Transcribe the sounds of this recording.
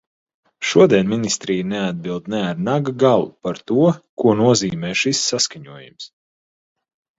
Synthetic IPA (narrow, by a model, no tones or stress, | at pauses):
ʃuɔd̪ʲiɛnminist̪ɾijnead̪̚bilˠd̪nɛaɾnaɡaɡalˠṵpaɾt̪uɔkuɔnuɔziːmɛːʃisːaskaɲuɔjṵms